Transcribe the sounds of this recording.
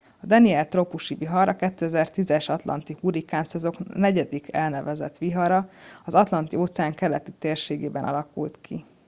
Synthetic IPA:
ɒd̪ɛniɛlt̪ropuʃiviɦɒɾɒkɛt̪ːøːɛzɛrt̪izɛʃɒt̪lɒ̰nt̪ihuɾikaːnsɛzo̞knɛɟɛd̪ikʰɛlnɛvɛzɛ̰t̪ʋiɦɒɾɒɒzɒt̪lɒnt̪ioːt̪sɛaːŋkɛlɛt̪it̪eːrʃeːɡeːbɛnɒ̰lɒkṵlt̪kʰḭ

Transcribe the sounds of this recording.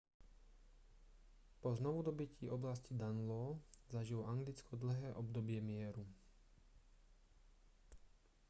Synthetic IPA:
pɔznɔʋud̪ɔbiciʔɔblascid̪anlɔːzaʒilɔaŋɡlit͡skʰɔd̪l̩ɦɛːʔɔbd̪ɔbɪɛmɪɛɾu

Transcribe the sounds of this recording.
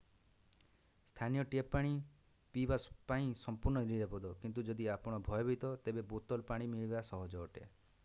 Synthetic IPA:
st̪ʰanijɔʈiepːaɽ̃i | pibaspaĩsɔmpuɾnɔiɾiɾɔpɔd̪ɔkint̪̬ud͡ʒɔd̪iapɔɽ̃ɔbʱɔjɔbʱit̪ɔt̪ebebot̪ɔlpaɽ̃imiɭibasɔɦɔd͡ʒɔːʈḛ

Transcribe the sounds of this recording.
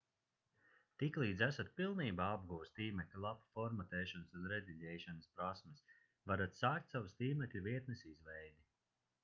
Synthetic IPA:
t̪iklˠiːd̪zæsat̪̚pilˠniːbaːab̚ɡuːst̪iːmɛklʲulˠapfɔɾmat̪ɛːʃanɨsunɾɛd̪ʲiʎɛjʃanɨspɾasmɛs | vaɾat̪saːk̚t̪ʲsawust̪iːmɛklʲuviɛt̪nɛsizvɛjd̪i

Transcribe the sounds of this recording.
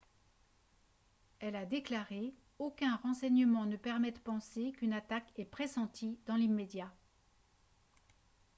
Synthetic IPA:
ɛlad̪eklaʁe | okʲɛ̃ʁɑ̃sɛɲəmɑ̃nəpɛʁmɛd̪əpɑ̃sekynat̪akɛpχesɑ̃t̪id̪ɑ̃limed̪ja

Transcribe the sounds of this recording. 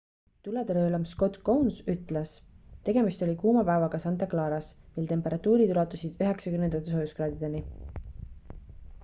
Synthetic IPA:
t̪ulet̪eɾɤːlɑmsko̞t̪kownsyt̪ˑlest̪e̞ɡe̞mist̪o̞lʲikuːmɑpæevɑɡ̥ɑsɑnt̪ɑklɑːɾɑsmilt̪e̞mpˑe̞ɾɑt̪ːˑuːɾit̪ulɑt̪ːˑusʲid̪̥yɦe̞ksɑkymnend̪ɑt̪ːˑes̬ojuskrɑːd̪id̪e̞ni

